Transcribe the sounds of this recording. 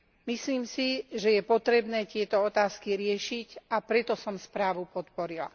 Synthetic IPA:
misliːmsiʒɛjɛpɔt̪ɾɛbnɛːt̪ɪɛt̪ɔɔt̪aːskiɾɪɛʃicapɾɛt̪ɔsɔmspɾaːʋupɔt̪pɔɾila̰

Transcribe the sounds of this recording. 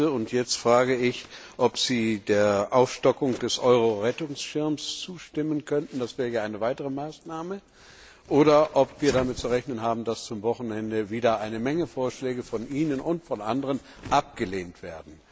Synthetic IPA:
əʊntjɛt͡stfʁ̥aːɡəɪçʔɔpz̥iːdeːɐʔaʊfʃtɔkʊŋd̥ɛsʔɔʏʁoʁɛtʊŋsʃɪɐmst͡suːʃtɪmənkʰœntn̩d̥asv̥ɛːʁəjaʔaɪnəvaɪtəʁ̞əmaːsnaːmə | ʔoːɾɐʔɔpv̥iːɐɾamɪt̚t͡suʁɛçnənɦaːbm̩dast͡sʊmvɔχn̩ɛndəviːdɐʔaɪnəmɛŋəfoːɐʃlɛːɡəfɔnʔiːnənʔʊntfɔnʔandəʁən | ʔap̚ɡ̥əleːntv̥eːɐdn̩

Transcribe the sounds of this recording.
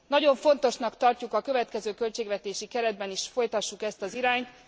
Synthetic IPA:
nɒɟo̞ɱfo̞n̪t̪o̞ʃnɒkt̪ɒrcukɒkøvɛt̪kɛzøːkø̞lt͡ʃeːɡvɛt̪eːʃikɛɾɛd̪̚bɛniʃfo̞jt̪ɒʃːukɛst̪ɒziɾaːɲt̪

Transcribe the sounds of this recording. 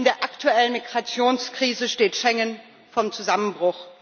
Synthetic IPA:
ndeːɐʔaktʰuɛlənmiɡʁat͡sjoːnskʁ̥iːzəʃteːtʃɛŋən | fɔmt͡suzamənbʁʊx

